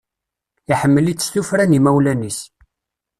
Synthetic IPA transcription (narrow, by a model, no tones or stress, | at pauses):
iħəmːəlit͡sːsθufɾænimæwlænis